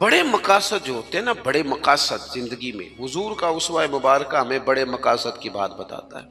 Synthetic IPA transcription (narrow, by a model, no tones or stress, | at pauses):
bɐɽemɐkaːsət̪̚d͡ʒoɦoːt̪eɦɛnabɐɽemɐkaːsət̪zɪ̃nd̪əɡimḛ̃ɦʊzuːɾkaʊswaːemʊbaːɾkaɦɐmẽbɐɽemɐkaːsət̪kiba̰ːt̪bɐt̪a̰ːt̪a̰ɦɛ̰ː